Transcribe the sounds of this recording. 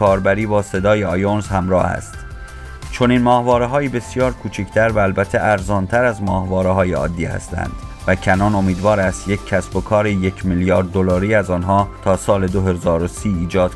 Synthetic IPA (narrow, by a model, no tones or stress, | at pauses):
ɒːɾbæɾiːbɒːse̞d̪ɒːjeɒjonzhæmɾɒ̰ːhæ̰st̪ | t͡ʃʰo̞niːnmɒːhvɒːɾeɦɒːjiːbe̞sjɒːɾkʰuːt͡ʃʰicʰt̪ʰæɾvæːlbæt̪ʰːeʔæɾzɒːnt̪ʰæɾæzmɒːhvɒːɾeɦɒːjeɒ̰ːd̪ːiːhæ̰st̪ʰæ̰nd̪̥væcʰænɒːno̞miːd̪vɒːɾæst̪je̞cʰʲcʰːæsb̥o̞kʰɒːɾeje̞cʰmilijɒːɾd̪ːolɒːɾiːæzɒːnɦɒːt̪ʰɒːsɒːle̞d̪oɦe̞zɒːɾosiːiːd͡ʒɒːd̪̥